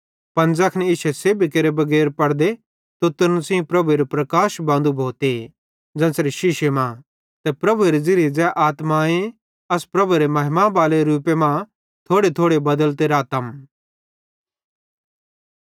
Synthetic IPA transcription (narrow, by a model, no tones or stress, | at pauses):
pɐnd͡zɐkʰnɪʃɛseːbikeːɾebɐɡɛːɾpɐɽd̪e | t̪ot̪ɪnsĩpɾɐbueɾopɾɐkaːʃbãːnd̪ubʱoːt̪e | d͡zɐ̃ːsɾeʃɪʃemã | t̪ɛpɾɐbʱuɾed͡zɪɾid͡zɛʔaːt̪maẽ | ɐspɾɐbuɾemɐɦɪmãbaːleɾuːpemã | t̪ʰoːɽet̪ʰoːɽebɐd̪əlt̪eɾaːt̪ɐm